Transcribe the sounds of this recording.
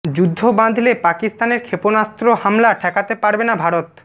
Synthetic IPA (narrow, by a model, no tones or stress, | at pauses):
d͡ʑud̪ʱːobãnd̪ʱilepakist̪aneɾkʰeponast̪ɾohamlaʈʰɛkat̪epaɾbenabʱaɾot̪